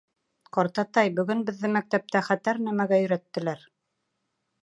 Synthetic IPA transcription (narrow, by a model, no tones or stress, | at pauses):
qɑɾt̪ɑt̪ɑjbɵ̆ɡɵnbɘ̆ðːɘmæk̚t̪æp̚t̪æχæt̪æɾnæmæɡæjɵ̆ɾæt̪ːɘ̆læɾ